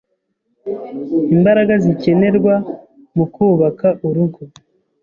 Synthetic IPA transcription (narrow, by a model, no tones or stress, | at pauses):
imbaɾaɡazice̞ne̞ɾɡwa | mukuːβakaʔuɾuɡo